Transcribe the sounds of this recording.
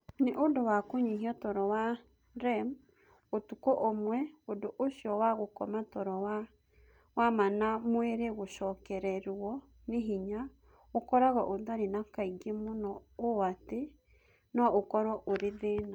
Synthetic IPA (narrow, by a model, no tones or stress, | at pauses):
neʔodowakoɲiɦiɔtɔɾɔwa | ɾɛm | otukɔʔomwɛodoʔoʃjɔwaɣokɔmatɔɾɔwa | wamanamweɾeɣoʃɔːkɛɾɛɾwɔ | neɦiɲa | okɔɾaɣɔʔoðaɾinakaiɡemonɔowate | nɔokɔɾwɔʔoɾeðeːna